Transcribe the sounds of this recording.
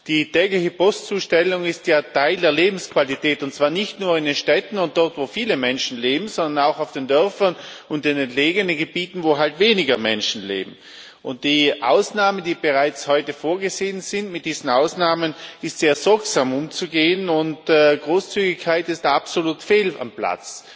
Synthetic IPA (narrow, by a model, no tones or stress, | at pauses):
d̥iːtʰɛːɡlɪçəpɔst͡suːʃtɛlʊŋɪstjaːtʰaɪldeːɐleːbm̩skv̥alitʰɛːtʊntt͡saːɐnɪçtnuːɐɪndenʃtɛtn̩ʊnt̚d̥ɔʁtv̥oːfiːləmɛnʃn̩leːbm̩z̥ɔndɐnaʊxaʊfd̥endœɐfɐn | ʊntdenɛntleːɡənənɡəb̥iːtn̩voːɦaltveːnɪɡɐmɛ̰nʃn̩lḛːbm̩ | ʔʊnt̚d̥iːʔa̰ʊsnaːməndiːb̥eʁaɪt͡shɔʏtəfoːɐɡəzeːənz̥ɪntmɪt̚d̥iːzn̩aʊsnaːmənɪstz̥eːɐz̥ɔɐksaːmʊmt͡suɡeːənʊntːɡʁoːst͡syːɡɪçkʰːaɪtɪstapsoluːtfeːla̰mpla̰t͡s